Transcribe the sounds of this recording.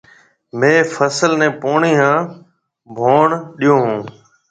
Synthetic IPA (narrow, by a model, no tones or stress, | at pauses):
mẽːfʰəsəlnẽːpoːɳiːɦãː | bʱoːɳɗijõːɦũː